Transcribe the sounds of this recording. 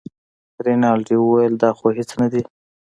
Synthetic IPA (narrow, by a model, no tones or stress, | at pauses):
ɾinɑlʈiwəwajəld̪ɑxoɦɪt͡snad̪i